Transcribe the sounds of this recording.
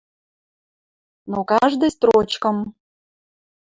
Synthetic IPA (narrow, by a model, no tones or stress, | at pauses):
nokɑʒd̪ɨst̪ɾot͡ɕkə̆m